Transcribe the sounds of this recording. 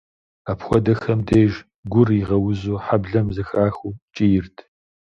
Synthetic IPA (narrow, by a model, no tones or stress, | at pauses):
apxʷɔdɐxɐmdeːʒ | ɡʷʊriʁɐwʊzoːħabɮɐmzɨxaːxuːt͡ʃʼijɪrtʰ